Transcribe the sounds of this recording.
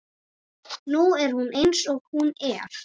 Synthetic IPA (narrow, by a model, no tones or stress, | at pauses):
nuɛɾ̥hunejnsɔɣhunɛɾ̥